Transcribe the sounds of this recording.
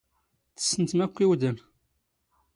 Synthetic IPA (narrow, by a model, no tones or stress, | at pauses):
θə̥sːənt̪mækʷːiwd̪ən